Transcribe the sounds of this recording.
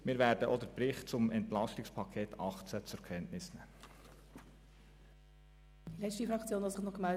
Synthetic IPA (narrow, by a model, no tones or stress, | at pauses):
mɪːɾvɛːɾdəʔɔd̪əɾpɾɪχt̚t͡sʊmɛntlɑstɪkspʰɑkʰeːt̪ʰɑχt͡sət͡sʊɾkʰɛntnɪsnɛmə | d̥ilɛstifʁɑkt͡sjoːnɑsɪχnɔχɡ̥əmɛl